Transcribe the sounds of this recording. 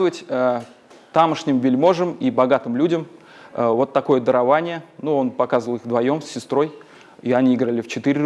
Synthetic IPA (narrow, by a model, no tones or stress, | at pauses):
əvətʲə | t̪aməʂnʲɪmvʲɪlʲmo̞ʐɨmibɐɡat̪ɨmlʲudʲəm | vo̞t̪ːɐko̞jəd̪əɾɐvanʲɪjənuo̞npɐkazvəlˠɨxd̪vɐjo̞msʲːɪst̪ɾo̞j | iɐnʲiiɡɾəlʲɪft͡ɕɪt̪ɨɾʲɪ